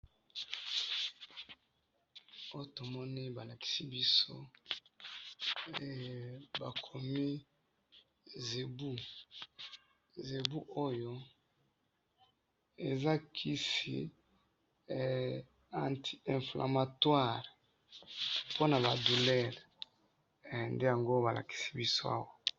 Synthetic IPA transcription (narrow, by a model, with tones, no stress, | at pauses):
o˦jo˦to˨mɔ˦ni˦ba˨la˨ki̥˨si˦bi˦so̰˦ | ɛ˨ba˨kʰo˨mi˦ | ze˨bu˦ | ze˨bu˦ʔo˦jo˦ | e˨za˦kʰi˦sḭ˨ | ã˨ntʰi˨ɛ̃˨flʔa̰˨ma˨twa˦˨ʁ | po˦na˨ba˨du˨lɛ˦ʁ | nde˦ja˨ŋɡo˦ba˨la̰˨ki̥˨si̥˦bi˦so˦a̰˦wa˦